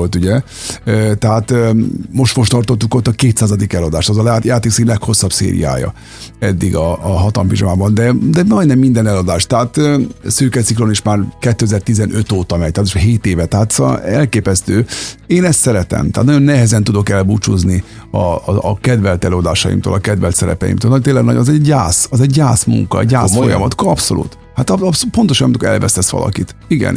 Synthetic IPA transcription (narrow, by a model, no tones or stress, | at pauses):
olt̪uɟɛ | øt̪ɛɦaːt̪mo̞ʃt̪fo̞ʃt̪ɒrt̪ot̪ːuko̞t̪ːɒkeːt̪saːzɒd̪ikɛlɒd̪aːʃt̪ɛzɒlɛat̪jaːt̪eːksilɛkho̞sːɒbsḛːɾḭja̰ːjɒ̰ | ɛd̪ːiɡɒːɦɒt̪ɒmpiʒomaːbɒnd̪ɛd̪ɛmɒjnɛmːind̪ɛnɛlɒd̪aːʃt̪ɛɦaːt̪øsøːkɛsiklo̞niʃmaːrkɛt̪ːøːɛzɛːrt̪izɛnʔø̞t̪oːt̪ɒmɛɟ̚t̪ɛat̪uʃɦeːt̪eːvɛt̪ɛɦaːt̪sɛlkeːpɛst̪øːeːnɛst̪sɛɾɛt̪ɛ̰mt̪ɛːt̪nɒjo̞nːɛɦɛzɛnt̪ud̪o̞kɛlbut͡ʃuzni | ɒkɛd̪vɛlt̪ɛløːɒd̪aːʃɒ̰jḭmt̪o̰ːlɒkɛd̪vɛlt̪sɛɾɛ̰pɛ̰jḭmt̪oøːlnt̪eːlɛɡnɒɟɒzɛːaːsɒzɛɟːaːsmṵŋkɒ̰ɛ̰ɟːaːsfo̞̰jɒ̰mɒt̪kɒpso̞̰lṵt̪ | hat̪ɒpspo̞nt̪o̞ʃnmnt̪okɛ̰lvɛ̰sɛsʋɒ̰lʔɒ̰kit̪iɡɛ̰n